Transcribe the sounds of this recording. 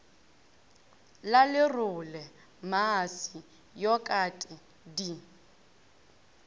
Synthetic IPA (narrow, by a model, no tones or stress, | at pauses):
lalɪrʊlɛ | masi | jɔkʼatʼɪ | di